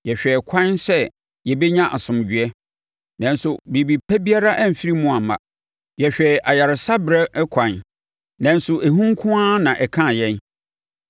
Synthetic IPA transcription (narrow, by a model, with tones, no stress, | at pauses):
jɛ˨ɕᶣɛ˨kʷʰã˦nsɛ˦ | jɛ˨bɛ˦ɲã˦ʔa˨sʊ̃˨m˨d͡ʑɥɛ˦ | nã˨n˦sʊ˨bi˨bi˨pʰæ˦bi˦a˦ɾa˦ʔæ˦˨m̩˨fi˦ɾi˦mʊ̃˦a˨mã̰˨ | jɛ˨ɕᶣɛ˨ʔa˨ja˨ɾɪ˨sa˦bɪ˨ɾɛ˦kʷʰã˨n | nã˨n˦sʊ˨ʔe˨ɦũ˦ŋ˦kʰʊ̃˦ã˦nã˨ʔɛ˨kʰã˦˨jɛ̃˦n